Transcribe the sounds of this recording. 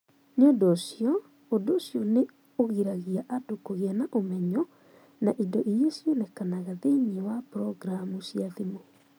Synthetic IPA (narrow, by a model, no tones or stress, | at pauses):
nodosjɔ | odosjɔne | oɣiɾaɣiaʔadokoɣeanaʔomɛɲɔ | naʔidɔʔijesonɛkanaɣaðeɲewapɾɔɡɾamusiaðimo